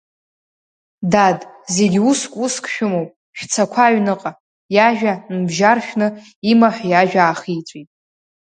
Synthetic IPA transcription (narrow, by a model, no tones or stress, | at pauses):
dadze̞ɡʲuskʷʼuskʷʼʰʃᶣʊmowpʼ | ʃᶣt͡sʰakʷʰaɥnɨqʼa | jaʒᶣanɨbʒarʃᶣnɨ | imaħʷᶣjaʒᶣaːχijt͡sʷʼitʼ